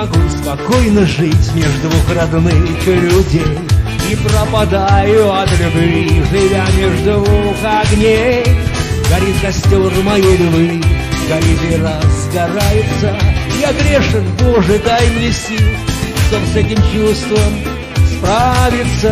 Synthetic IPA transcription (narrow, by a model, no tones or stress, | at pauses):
ɐɡuspɐkojnəʐɨtʲmʲeʐd̪ʊvʊxɾad̪nɨjkəlʲʊdʲejipɾəpad̪ajʊɐt̪lʲʊbvʲiʐɨvʲamʲeʐd̪ʊukaɡnʲe | ɡɐɾʲit̪kɐsʲtʲorɨmɐjelʲʊbɨ | ɡɐɾʲit̪ɪrasːɡɐɾajɪt̪səjaɡɾʲeʂɨnboʐɨd̪ajɪmlʲɪsʲiʂt̪obsɛtʲɪmt͡ɕust̪vəm | spɾavʲɪt̪sə